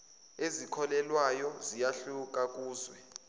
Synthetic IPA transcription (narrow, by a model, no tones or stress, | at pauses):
ezikʰɔlɛlwajɔzijaɬuk̬ʼak̬ʼuːzwɛ